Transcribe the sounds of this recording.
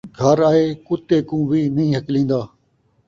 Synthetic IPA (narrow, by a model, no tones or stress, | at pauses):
ɡʱəɾaːɦeːkʊt̪eːkũːʋiːnəĩːɦəklĩːnd̪aː